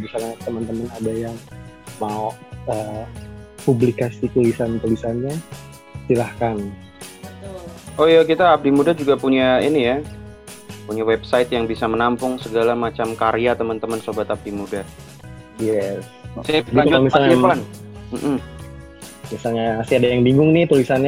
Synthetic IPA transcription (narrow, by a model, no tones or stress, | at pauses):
bisalɲat̪əmənt̪əmənadajaŋ | maoə | publikasik̪əlisant̪əlisanɲa | silahkan | ojakit̪aːp̚dimudad͡ʒuɡapuɲainija | puɲawɛbsaɪt̪̚jaŋbisamənampʊŋsəɡalamat͡ʃamkaɾijat̪əmənt̪əmənsobat̪ap̚dimuda | jɛs | sajaaɲd͡ʒʊmisalɲaapanm̩ʔm̩ | misalɲasiadajaŋbiŋʊŋnɪht̪ulisanɲa